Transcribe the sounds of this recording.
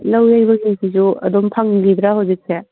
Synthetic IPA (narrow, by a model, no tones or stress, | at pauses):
lɐwajbɐɡisʰisuɐ̰d̪ompʰaŋɡid̪ɾaɦawzik̚se